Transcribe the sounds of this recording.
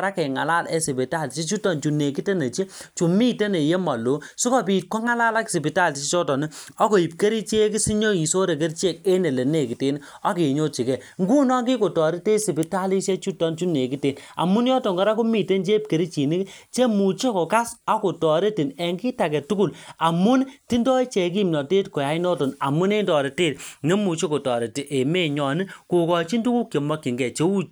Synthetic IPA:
ɾa˦ke˨ŋa̰˨la˦le˦si˨pi˨ta˦lt͡ʃe˦t͡ʃu˦tɔ˦˨nt͡ʃu˨ne˨ki˦te˦ne˨t͡ʃe˦t͡ʃu˨mi˦te˦ne˨je˦ma˨lo˨˦su˦kɔ˦pi˨t̚kɔ˦ŋa˦la˦la˦ksi˨pi˨ta˦ltt͡ʃe˦t͡ʃɔ˦tɔ˨ni˦ɔ˦ko˨i˨p̚ke˦ɾi˦t͡ʃe˦ki˦si˦ɲo˦i˨so˦ɾe˨k̬e˦ɾt͡ʃe˦˨k̚e˦ne˨le˨ne˦˨ki˨te˦n | ɔ˦ke˨ɲo˦t͡ʃi˨kɛ˨ŋɡu˦nɔ˦ŋɡi˦ko˨tɔ˨ɾi˦te˦si˨pi˨ta˦li˦se˦t͡ʃu˦tɔ˦nt͡ʃu˦ne˨ki˦te˨na̰˨mu˦njɔ˦to˨ŋɡɔ˦ɾa˦ko˦mi˨te˦nd͡ʒe˦p̚ke˨ɾi˦t͡ʃi˨ni˦kt͡ʃe˦mu˨t͡ʃe˦ko˨ka˦sa˦ko˨tɔ˨ɾe˦ti˨ne˨ŋɡi˦ta˨kɛ˨tu˦ku˦˨la˨mu˦nti˦ndɔ˦i˦t͡ʃe˨k̬i˦˨mnɔ˨te˦tko˨ja˨˦i˦nɔ˦to˨na̰˨mu˦ne˦ndɔ˨ɾe˨teː˦˨t̚ŋe˦mu˨t͡ʃe˦ko˨tɔ˨ɾe˨ti˨ʔe˨me˦ɲɔ˨ni˦ko˨kɔ˨t͡ʃi˦ndu˦ku˦kje˨mɔ˦kːi˨ŋɡɛ˨t͡ʃe˦wu˦

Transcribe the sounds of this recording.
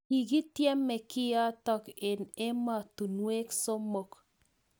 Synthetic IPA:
i˨ɡi˦t̪jɛ˦mːe˨kɪ˦ja˦tɔ˨ke˨ne˦ma˨t̪u˨nwe˦kso˦mo˨k

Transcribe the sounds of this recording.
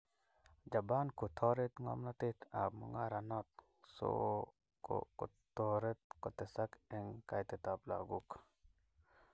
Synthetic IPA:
d͡ʒa˨ba˦nku˨t̪ʰɔ˦ɾe˦t̪ŋɔ̰˦mna˦t̪ɪ˦t̪a̰˨kmɔ˨ŋa˦ɾa˨nɔ˦t̪̚ | so̰˦ | ko̰ko̰˨ | t̪ɔɾe˦t̪̚kɔ˨t̪ɛ˨sa˦kɛ˨ŋka˨jt̪ɛ˨t̪a˨pla̰˨ɡu˦k

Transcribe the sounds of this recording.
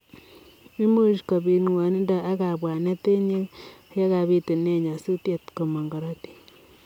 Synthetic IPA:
i˦mu˦ʃka˨bi˨nwa˨ni˦nda˦˨ʔa˦ka˨bwa˨ne˦te˦ɲe˦e˦ka˨βi˦te˨ne˦˨ɲa˨su˦tje˦tko˨ma˨ŋɡa˨ɾa˦ti̥˨

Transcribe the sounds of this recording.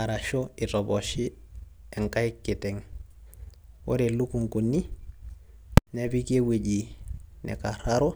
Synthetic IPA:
a˨ɾa˨ʃo˦ɪ˨tɔ˨bɔʃi˦ɛ˨ŋka˦ɪkːɪ˨tɛŋ | wo̰˦ɾe˨lu˦ku˨ŋku˨nːi˦ | nɛbi˦ke˦we˨ɟi˨nɛ̰˨ka˨ɾaɾo˦

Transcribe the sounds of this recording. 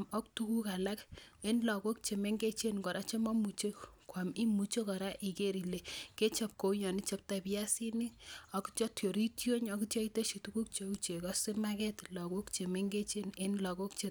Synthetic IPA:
mɔ˦ktu˦ku˦ka˨la˦ke˦nlɔ˨ko˦k̚t͡ʃe˨me˦ŋɡe˦t͡ʃe˦nkɔ˨ɾa˦t͡ʃe˦mɔ˦mu˨t͡ʃe˦kwa˨mi˦mu˨t͡ʃe˦kɔ˨ɾa˦ʔi˨ke˦ɾi˨le˨ke˦t͡ʃa˨p̚ko˨u˦ɲɔ˨ni˦t͡ʃe˦p̚ta˨pja˦si˦ni˦ɔ˨kt͡ʃɔ˦tjo˨ɾi˦tjo˦ɲɔ˨ku˦tjɔ˦i˦te˦ʃi˨tu˦ku˦k̚t͡ʃe˨u˦t͡ʃe˨kɔ˦sɪ˦ma˦kɛ˦tlɔ˨ko˦kt͡ʃe˨me˦ŋɡe˦t͡ʃe˦ne˦nlɔ˨ko˦kt͡ʃe˨˦

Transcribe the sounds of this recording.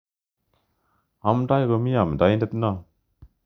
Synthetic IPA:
a˨mda˦jɡɯ˧mi˦a˨m˨da˨˦jnde˦t̚na˦˨

